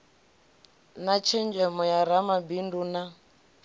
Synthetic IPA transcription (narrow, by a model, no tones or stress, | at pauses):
nat͡ʃʰɛnd͡ʒɛmɔjaɾamabinduna